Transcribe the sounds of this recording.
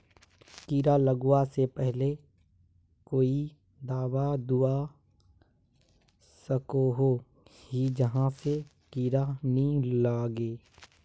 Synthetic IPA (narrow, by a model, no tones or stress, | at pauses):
kiːɾaləɡwasepɛɦle | koːi | d̪aːwad̪ua | səkoɦo | hid͡ʒəɦãse | kiːɾanəɦĩlaːɡeː